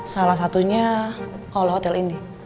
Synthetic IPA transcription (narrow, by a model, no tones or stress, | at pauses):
salahs̬at̪uɲa | ɔlɔɦɔt̪ɛlini